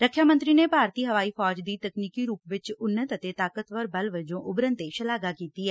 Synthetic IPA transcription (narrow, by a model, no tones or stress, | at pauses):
ɾəkʰːjaːmə̃nt̪ɾiːneːpaːɾt̪iːɦəʋaːiːfʰɔːd͡ʒd̪iːt̪əkniːkiːɾuːpʋɪt͡ʃʊnːət̪ət̪eːt̪aːkət̪ʋəɾbəlʋəd͡ʒõːʔʊbɾənt̪eːʃəlaːɡaːkiːt̪iːɛː